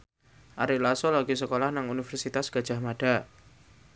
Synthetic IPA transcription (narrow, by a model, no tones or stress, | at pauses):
ʔaɾilasɔlaɡ̥is̬əkolahnaŋunifɛrsit̪asɡ̥a̤̥d͡ʒ̥a̤maɖ̥a